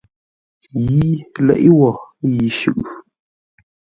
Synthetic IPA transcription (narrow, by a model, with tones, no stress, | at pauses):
ji˦lɛ̰˦˨ʔwɔ˨ji˨ʃʉ̰˦˨ʔ